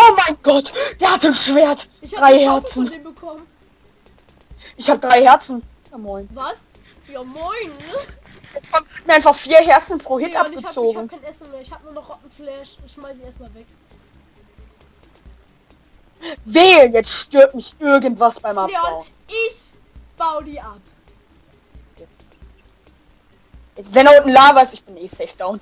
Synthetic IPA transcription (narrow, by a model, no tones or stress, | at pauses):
ʔoːmaɪnɡɔtd̥eːɐhatənʃv̥eːɐt | d̥ʁaɪhɛɐt͡sn̩bəkʰɔm | ʔɪçhaːbədʁaɪhɛɐt͡sn̩ | jaːmɔʏnvas | jamɔn | ɛahatmiːɐaɪnfaχfiːɐɦɛɐt͡sn̩pʁ̥oːhɪtʔapɡət͡soːɡŋ̩nɛsn̩meːɐɪçhaːbənːɐnɔχʁɔtn̩flɛʃʃmaɪsɪçeːɐst̚maːlvɛk | veːjɛt͡stʃtøɐtmɪçʔɪɐɡəntv̥asb̥aɪmaaʊ | ʔɪç | b̥aʊdiːʔap | jɛt͡svɛndɛʊnn̩laːvaɐstɪçb̥ɪneːsɛɪfd̥aʊn